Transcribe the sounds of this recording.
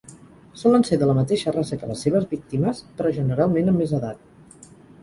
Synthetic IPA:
sɔlənseɾðələmət̪eʃərasəkələ̰sːeβ̞əzβik̚t̪iməspɾɔʒənəɾalˠmenəmːezəðat̪̚

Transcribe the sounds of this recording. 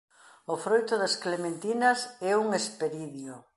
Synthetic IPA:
ʊfɾojt̪ʊðasklemẽnt̪inasɛuŋespeɾiðjo

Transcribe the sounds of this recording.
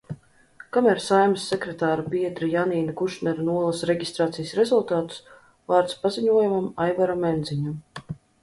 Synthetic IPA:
kamæɾsajmasːɛkɾɛt̪aːɾupiɛd̪ɾɨjaniːnakuʃnɛɾanuɔlˠasɾeɡʲist̪ɾaːt̪sijasɾɛzulˠt̪aːt̪u̥s | vaːɾt̪spaziɲuɔjumamajvaɾamend̪ziɲum

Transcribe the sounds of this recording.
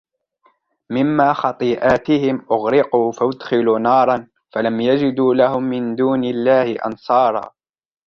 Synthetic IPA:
mɪmːaːxɑt̪ˤiːʔaːt̪ɪhɪmʔʊɣɾɪquːfaʔʊd̪xɪluːnɑːɾˤɑn | falamjad͡ʒɪd̪uːlahʊmːɪnd̪uːnɪlːaːhɪʔɑ̰nsˤɑːɾˤɑ̰ː

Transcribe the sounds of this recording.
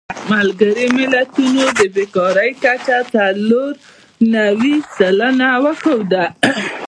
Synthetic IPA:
malɡaɾimɪlat̪unod̪əbekɑɾəjkat͡ʃat̪aloɾ | nawisələnawəkəwd̪a

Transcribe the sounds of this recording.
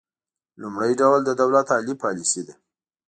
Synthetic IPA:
lʊmɽəjɖawld̪əd̪awlat̪ɑlipɑlisid̪a

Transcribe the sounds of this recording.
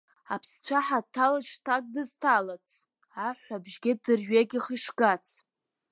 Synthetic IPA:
apʰst͡ɕʷʰaħatʰalat͡ʃʰtʰak̚ʼdɨztʰalat͡sʰʼ | aħʷabʒɡʲɪdɨrɥaɡʲiχiʂɡat͡sʰʼ

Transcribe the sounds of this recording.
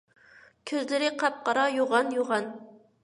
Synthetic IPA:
kʲʰyzlɪɾɪqʰɑp̚qɑɾɑjoʁɑnjoʁɑn

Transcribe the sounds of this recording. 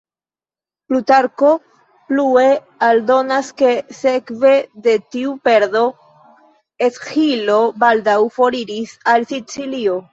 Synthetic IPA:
plutaɾko̞ | plue̞ | aldo̞naske̞se̞kve̞de̞tiupe̞ɾðo̞ | eshilo̞baldawfo̞ɾiɾisalsit͡silio̞

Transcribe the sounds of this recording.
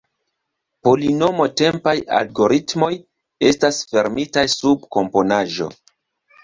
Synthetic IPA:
po̞lino̞mo̞te̞mpaja̰lɡo̞ɾitmo̞j | estasfe̞ɾmitajsub̚ko̞mpo̞naʒo̞̰

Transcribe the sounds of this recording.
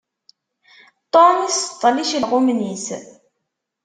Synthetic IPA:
t̪ˤonist̪ˤːliʃlʁʊmnis

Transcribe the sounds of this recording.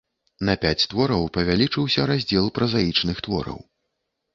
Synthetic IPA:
nɐpʲat͡sʲt̪vɔɾɐwpɐvʲalʲit͡ʂɨwsʲɐɾazʲd͡zʲɛlˠpɾɐzajit͡ʂnɨxt̪vɔ̰ɾɐ̰w

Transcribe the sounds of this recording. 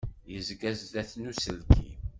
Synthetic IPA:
jəzɡæzd̪æθnusəlkḭ

